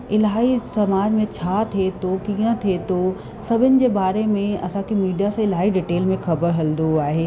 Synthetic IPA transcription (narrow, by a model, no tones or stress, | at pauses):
ɪlɦaːisɐmaːd͡ʑmẽt͡ɕʰaːt̪ʰiet̪ʰokiːə̃t̪ʰet̪ʰo | sɐbʱɪnɪ̆d͡ʑeːbaːɾemẽɐsãkʰemiːɖijasãɪlɦaːiɖɪʈeːlmẽxɐbəɾɦɐld̪oaːɦeː